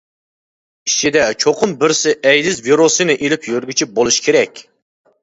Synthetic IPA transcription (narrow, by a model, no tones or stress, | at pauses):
i̥t͡ʃʰid̪ɛt͡ʃʰoqʰʊmbɪɾsɪʔɛjlɪzviɾosɨnɨʔelɪpʰjøɾɡʲyt͡ʃʰibolˠuʃkʲʰeɾɛkʲ